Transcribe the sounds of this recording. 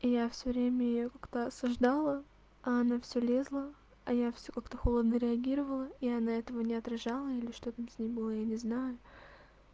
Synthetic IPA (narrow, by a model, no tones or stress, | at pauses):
ijafsʲɵvɾʲemʲəɪjokḁkt̪əɐsɐʐd̪alˠə | ɐɐnafsʲɵlʲe̞zlˠə | ɐjafsʲokakt̪əxolˠəd̪nəɾʲɪɐɡʲiɾəvəlˠəiɐnaɛt̪əvənʲɪɐt̪ɾɐʐalˠəilʲɪʂt̪o̞t̪amsʲnʲejbɨlˠəjanʲɪznajʊ